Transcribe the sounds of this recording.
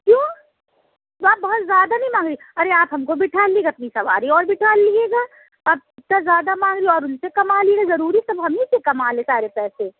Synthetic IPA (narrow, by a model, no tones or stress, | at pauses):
kjõː | t̪oaːp̚bɐɦʊt̪zjaːd̪anɐɦĩmãːŋɡɾiː | ɐɾeaːpɦɐmkobɪʈʰaːlːiɡaɐp̚nisɐʋa̰ːɾiɔːɾbʱɪʈʰaːlːieːɡaː | aːp̚ɪt̪azjaːd̪amãːɡɾiɔːɾʊnsekɐmaːliɡazɐɾuːɾisɐbɦɐmĩsekɐmaːlẽːsaːɾepɛːse